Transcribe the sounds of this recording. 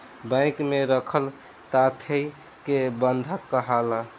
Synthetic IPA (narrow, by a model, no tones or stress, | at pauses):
bə̃ɪkmeɾəkʰəl | t̪at̪ʰəj | kebənd̪ʱəkːəɦala